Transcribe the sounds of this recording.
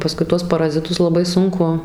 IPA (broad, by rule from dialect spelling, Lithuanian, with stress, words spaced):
pɐˈskʊɪ ˈtuɔs pɐrɐzʲɪˈtʊs lˠɐˈbɐɪ ˈsʊŋkʊ